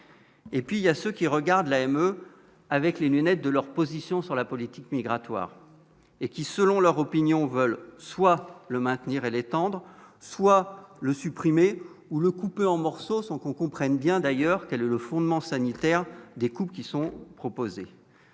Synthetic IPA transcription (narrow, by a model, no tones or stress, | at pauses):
epɥiljasøkʲiʁəɡaʁd̪laɛmø | avɛklenynɛt̪̚d̪əlœʁpozisjɔ̃syʁlapɔlit̪ikmiɡʁat̪wa̰ːʁ | ekʲisəlɔ̃lœʁɔpinjɔ̃vœlswaləmɛ̃t̪niʁelet̪ɑ̃d̪ʁ | swaləsypχime | uləkupeɑ̃mɔʁsosɔ̃kɔ̃kɔ̃pχɛnbjɛ̃d̪ajœʁkɛlɛləfɔ̃d̪mɑ̃sanit̪ɛʁd̪ekupkʲisɔ̃pχɔpoze